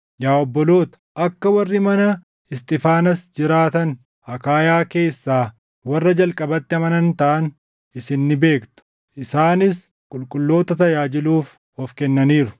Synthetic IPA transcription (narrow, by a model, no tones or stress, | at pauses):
jaːɔbːɔlo̞ːt̪ɐ̥ʔɐkːɐwɐrːɪmɐnɐ | ɪst̪ʼɪfaːnɐsd͡ʒɪɾaːt̪ɐn | ɐkaːjaːke̞ːsːaː | wɐrːɐd͡ʒɐlkʼɐbɐt̪ːɪɐmɐnɐnt̪ɐʔɐn | ɪsɪnːɪbe̞ːkt̪ʊ̥ | ʔɪsaːnɪs | kʼʊlkʼʊlːo̞ːt̪ɐt̪ɐjaːd͡ʒɪluːf | ɔfkɛnːɐniːɾʊ̥